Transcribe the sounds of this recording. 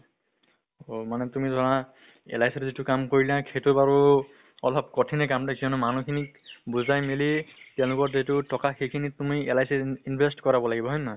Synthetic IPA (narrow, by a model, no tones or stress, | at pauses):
omanɛtumidʱɔɹã | ɛ̰lajsɛtzitukamkoɹilãkʰejtubaɹu | ɔ̰lʱɔbkɔtʰinɛkamtakiɔnmanukʰinikbuzajmilitiãlʊkɔɹejtʊtʰɔkaxejkʰinitumiɛlajsɛinbʱestkɔɹabɔlaɡibɔɦɔjnːa